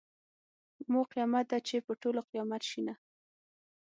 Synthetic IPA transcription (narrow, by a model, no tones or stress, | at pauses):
moqijɑmat̪̚d̪at͡ʃepəʈoloqijɑmat̪ʃina